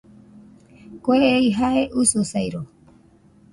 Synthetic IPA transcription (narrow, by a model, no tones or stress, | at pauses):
koeeiɦaeʔususajɾo